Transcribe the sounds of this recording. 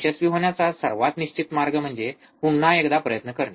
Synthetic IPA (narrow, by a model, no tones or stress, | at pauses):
ɕəsʋiɦoɳjat͡sasəɾʋat̪niɕt͡ɕit̪maɾɡəm̤əɳd͡ze | puɳːaekd̪apɾəjət̪nəkəɾɳe